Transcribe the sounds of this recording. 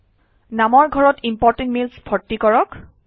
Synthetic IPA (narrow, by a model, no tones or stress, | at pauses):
namɔɹɡʱɔɹɔtimpɔɹtẽntmilsbʰʱɔtːikɔɹɔk